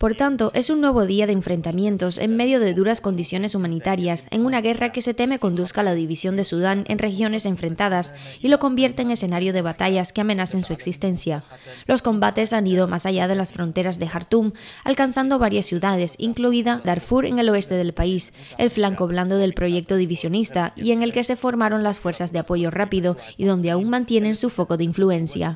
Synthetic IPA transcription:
po̞ɾt̪ant̪o̞ʔe̞sunːwe̞β̞o̞ðiaðeːɱfɾe̞nt̪amjẽ̞nt̪o̞sḛŋme̞ðjo̞ð̞e̞ðuɾasko̞nd̪isjo̞ne̞sumãnit̪aɾjase̞̰ŋunaɣ̞e̞rake̞se̞t̪e̞me̞ko̞nd̪uskalaðiβisjo̞nd̪e̞suðane̞̰nre̞xjo̞ne̞se̞ɱfɾe̞nt̪aðasilo̞ko̞mbje̞ɾt̪e̞ːŋe̞senaɾjo̞ð̞e̞β̞at̪aʝaskeame̞naθe̞nsue̞ksist̪e̞nθja | lo̞sko̞mbat̪e̞saniðo̞mʔasaʝað̞e̞lasfɾo̞nt̪e̞ɾazðe̞xaɾt̪uma̰lkansand̪o̞β̞aɾjasːjuðað̞e̞sḭŋkluiðad̪aɾfuɾe̞̰ŋe̞lo̞e̞st̪e̞ð̞e̞lpais | e̞̰lflaŋko̞βland̪o̞ðe̞lpɾo̞ʝe̞k̚t̪o̞ðiβisjo̞nist̪aḭe̞ŋe̞lke̞se̞fo̞ɾmaɾo̞nlasfwe̞ɾsazðe̞apo̞ʝo̞rapiðo̞ | iðo̞nd̪eauŋmãnt̪je̞ne̞nsufo̞ko̞ðeiɱflue̞nsja̰

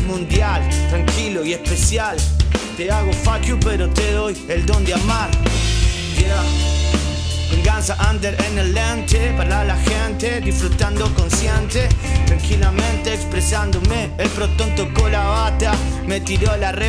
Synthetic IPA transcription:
mũnd̪jalt̪ɾaŋkiloiespesjalt̪eaɣofakjupeɾot̪eðojeld̪ond̪eamaɾ | d̪ea | βeŋɡansaʔand̪eɾenelent̪epaɾlalaxent̪eðifɾut̪and̪okonsjent̪et̪ɾaŋkilamẽnt̪eːkspɾesand̪omeːlpɾot̪ont̪okolaβat̪amet̪iɾolare

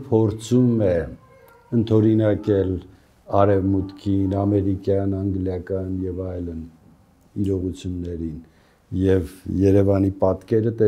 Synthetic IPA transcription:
pʰɔɾt͡sʰumɛ | ənt̪ʰɔɾinɑkɛl | ɑɾɛvmut̪kʰinɑmɛɾikjɑnɑŋɡljɑkɑnjɛvɑjlən | iɾɔʁut͡sʰjunːɛɾin | jɛvjɛɾɛvɑnipɑt̪kɛɾət̪ɛ

